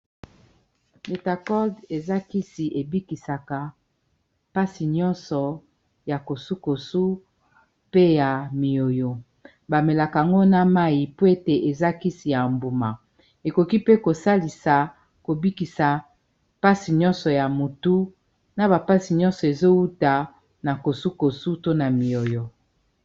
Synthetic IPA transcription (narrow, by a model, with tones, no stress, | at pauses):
be˨ta˨kɔ˦de˨za˦ki˦si˨ʔe˨bi˦ki˨sa˨ka˨ | pa˦si˨ɲɔ˦nsɔ˨ | ja˨ko˨su˦ko˨su˦ | pe˦ja˨mi˨o˨jo˨ | ba˨me˨la˨ka˨a˨ŋɡo˦na˦ma˦i˨po˦e˦te˨ʔe˨za˦ki˦si˨ja˨mbu˨ma˨ | e˨ko˨ki˦pe˦ko˨sa˦li˨sa˨ | ko˨bi˦ki˨sa˨ | pa˦si˨ɲɔ̃˦nsɔ˨ja˨mo˨tu˦ | na˦ba˨pa˦si˨ɲɔ̃˦nsɔ˨e˨zo˦wu˦ta˨ | na˨ko˨su˦ko˨su˦to˦na˨mi˨o˨jo˨